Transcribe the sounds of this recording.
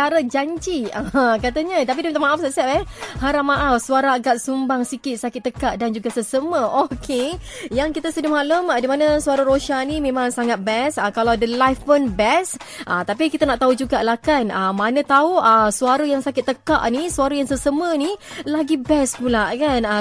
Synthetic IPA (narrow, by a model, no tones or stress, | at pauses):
aɾəd͡ʒaɲd͡ʒiəkat̪aɲət̪ap̬idəmət̪amãʔafsasɛt̚ɛhaɾamaʔafsuaɾaːɡat̪̚sumbaŋsikɪt̪̚sakɪt̪ːəkaʔdand͡ʒuɡasəsəməʔokʰe | jaŋkit̪asədʊmaləmdimanəsuaɾaɾoʃanimẽmãŋsaŋat̪̚bɛsəkalawadəlajfənbɛs | ʔət̪apikit̪anaʔt̪aud͡ʒuɡalahkanəmanə̃t̪auəsuaɾəjaŋsakɪt̪ːəka̰ʔnisuaɾəjaŋsəsəmənilaɡibɛspulakana